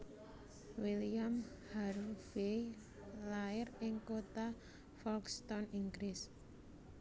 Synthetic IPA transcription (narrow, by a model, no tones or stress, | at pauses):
wiliam | haɾfej | laɪrɪŋkot̪a | fɔlkst̪ɔniŋɡɾɪs